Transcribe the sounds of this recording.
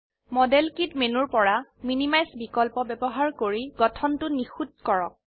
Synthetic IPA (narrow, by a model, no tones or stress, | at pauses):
mɔdɛlkitmenuɹpɔɹaminimajsbikɔlpɔbɛbɔɦaɹkoɹiɡɔtʰɔntʊnixut̚kɔɹɔk̚